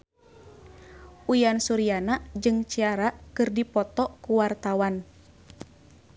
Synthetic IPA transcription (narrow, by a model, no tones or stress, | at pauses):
ʔujansuɾianad͡ʒɨŋt͡ʃiaɾakɨrdipɔt̪ɔkuwart̪awan